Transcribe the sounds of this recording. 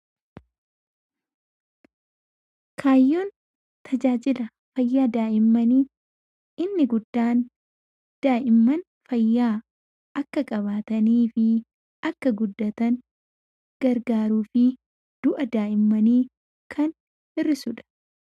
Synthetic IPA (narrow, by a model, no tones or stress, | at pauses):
kʰaːjːoːn | t̪ʰɐd͡ʒaːd͡ʒɪlɐ | fɐjːaːd̪aːʔɪmːɐniː | ɪnːɪɡʊd̪ːaːn | d̪̥aːʔɪmːɐn | fɐjːaː | ɐkːɐkʼɐβaːt̪ɐniːfɪ | ɐkːɐɡʊd̪ːɐt̪ɐn | ɡ̥ɐɾɡaːɾuːfɪ | d̪̥ʊʔɐd̪aːʔɪmːɐniː | kʰɐn | ɪrːɪsʊᶑɐ̥